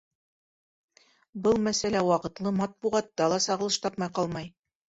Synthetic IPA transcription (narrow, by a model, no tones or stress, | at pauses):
bɤlˠmæsælæwɑqɤ̆t̪lˠɤmɑt̪̚buʁɑt̪ːɑlˠɑsɑʁɤ̆lˠɤʃt̪ɑpmɑjqɑlˠmɑj